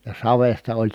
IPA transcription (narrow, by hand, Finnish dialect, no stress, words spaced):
jɑ sɑʋestɑ olʲ